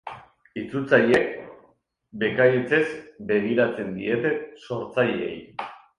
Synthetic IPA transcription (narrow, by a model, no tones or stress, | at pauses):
it͡sut͡saje̞k | be̞kajet͡se̞zbe̞ɣiɾat͡se̞nd̪ie̞t̪e̞so̞ɾt͡sajeḛj